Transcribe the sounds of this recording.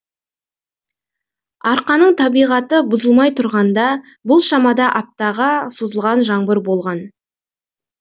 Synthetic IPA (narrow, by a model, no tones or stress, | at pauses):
ɑɾqɑnəɴt̪ʰɑbijʁɑt̪əbʊzəlˠmɑjt̪ʰʊɾʁɑnd̪ɑ | bʊlˠʃɑmɑd̪ɑʔɑp̚t̪ɑʁɑsozəlˠʁɑnʒɑɴbəɾbo̞lˠʁɑn